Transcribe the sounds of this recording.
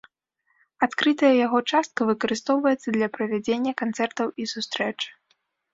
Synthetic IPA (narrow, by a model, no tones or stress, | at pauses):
at̪kɾɨt̪ɐjɐjaɣɔt͡ʂast̪̚kɐvɨkɐɾɨst̪ɔwvɐjɛt̪sːɐd̪lʲɐpɾɐvʲad͡zʲenʲːɐkant̪sɛrt̪ɐwisust̪ɾɛt͡ʂɨ̥